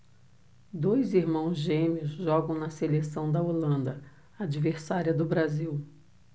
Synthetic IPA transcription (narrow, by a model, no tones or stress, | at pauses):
d̪ojziɾmɐ̃w̃zʒẽmʊzʒɔɡɐ̃w̃nɐselesɐ̃w̃d̪ɐolɐ̃nd̪ɐ | ad͡ʒiveɾsaɾiɐd̪ʊbɾaziw